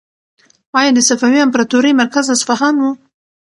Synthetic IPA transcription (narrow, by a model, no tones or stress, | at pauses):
wɑjɑd̪əsafawiampɾɑt̪uɾəjmaɾkazasfaɦɑnwu